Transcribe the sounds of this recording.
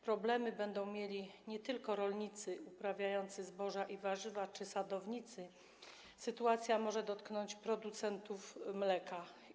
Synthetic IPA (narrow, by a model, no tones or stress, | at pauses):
pɾɔblɛmɘbɛnd̪ɔ̃w̃mʲjelʲiɲɛt̪ɘlkɔɾɔlɲit̪sɘupɾavʲjajɔnt̪sɘzbɔʐaʔivaʐɘvat͡ʂɘsad̪ɔvɲit̪sɘ | sɘt̪uat̪sʲjamɔʐɛd̪ɔt̪knɔɲt͡ɕpɾɔd̪ut̪sɛnt̪ufmlɛka